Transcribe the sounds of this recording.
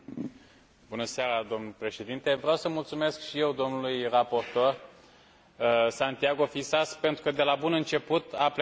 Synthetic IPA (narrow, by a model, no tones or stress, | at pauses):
bunəseaɾad̪o̞mnulpɾe̞ʃe̞d̪int̪e̞vɾeawsəmult̪sume̞skʃije̞wd̪o̞mnulujrapo̞rt̪o̞r | sant̪iaɡo̞fisaspe̞nt̪ɾukəd̪e̞labunɨnt͡ʃe̞put̪aple